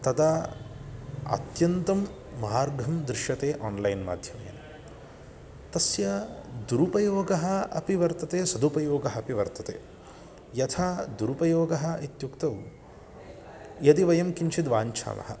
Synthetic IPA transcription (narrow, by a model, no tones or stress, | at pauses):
t̪ɐd̪a | ɐ̰t̪jɐnt̪ɐmː | ɐaːɾɡʱɐmd̪ɾɪʃjɐt̪eːʔaːnlɐjnma̰ːd̪ʱjɐmɐjɐ̰n | t̪ɐsjɐd̪uɾupɐjoːɡɐɦɐ̆ɐ̰piʋɐɾt̪ɐt̪eːsɐd̪upɐjoːɡɐɦɐpiʋɐɾt̪ɐt̪ḛː | jɐt̪ʰaːd̪uɾupɐjoːɡɐɦɐ̆it̪jukt̪ɐw | jɐd̪iʋɐjɐmkint͡ʃʰid̪ʋaːɲt͡ʃʰa̰ːmɐ̰ɦɐ̰